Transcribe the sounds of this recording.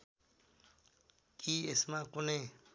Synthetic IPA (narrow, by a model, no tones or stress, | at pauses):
kiːesmãkʊne